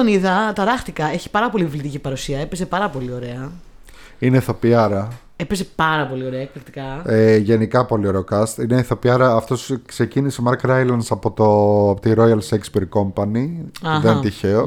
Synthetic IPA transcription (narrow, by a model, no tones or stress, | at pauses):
oniðɐt̪ɐɾɐxt̪ikɐe̞çi̥pɐɾɐpo̞livlit̪icipɐɾusiɐepe̞ze̞pɐɾɐpo̞lio̞ɾe̞ɐ | ineθo̞piɐɾɐ | epeze̞pɐɾɐpo̞lio̞ɾeɐekfit̪ikɐeʝe̞nikɐpo̞lio̞ɾe̞okɐst̪ineiθo̞piɐɾɐːft̪o̞skse̞cinisemɐɾkɾɐjlɐnsɐpo̞t̪oɐpot̪iɾo̞jɐlsekspiɾko̞mpɐniɐðent̪içeo